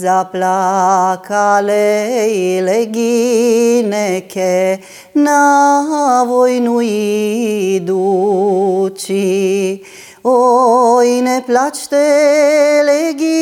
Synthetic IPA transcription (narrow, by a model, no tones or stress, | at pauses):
zaplakʰalɛilɛɡi | nɛkʰɛ | na | ʋojnui | d̪u | t͡ʃi | o | inɛplat͡ʃt̪ɛ | lɛɡi